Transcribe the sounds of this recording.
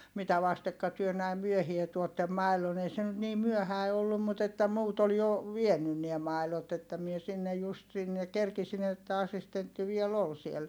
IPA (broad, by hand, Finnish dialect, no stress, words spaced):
mitæ ʋɑstekːɑ tyø næim myøhie tuotːem mɑi̯lon ei se nyt niː myøhæi̯ olːum mut etːæ muːt ol jo ʋienyn niæ mɑˑi̯lot etːæ mie sinːej just sinːe kerkisin etːæ ɑsistentːi ʋiel ol siel